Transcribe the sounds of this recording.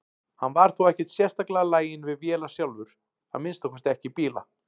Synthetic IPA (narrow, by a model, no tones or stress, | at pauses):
hanːvaɾ̥θuwɛhcɛt̪sjɛr̥t̪aklɛɣalaːjɪnvɪðvjɛːlasjawlvʏɾ̥ | a̰nmɪnst̪akʰvɛst̪ɛhcɪpiːla̰